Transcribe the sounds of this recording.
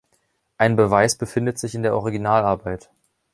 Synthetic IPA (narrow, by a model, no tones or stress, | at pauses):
ʔaɪnbəvaɪsb̥əfɪndətz̥ɪçɪndeːɐʔɔʁ̞iɡinaːlaɐbaɪt